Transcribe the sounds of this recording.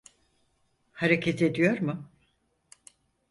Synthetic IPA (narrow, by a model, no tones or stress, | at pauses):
haɾecʰet̪ʰe̞d̪ijo̞ɾmʊ